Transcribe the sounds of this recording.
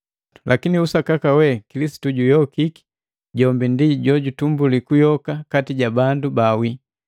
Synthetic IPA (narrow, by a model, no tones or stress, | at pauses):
lʔakiniusakakawɛkilisi̥tuɟujɔkiki̥ | ɟɔmbindiɟɔɟutumbulikujɔkakatiɟabandubawi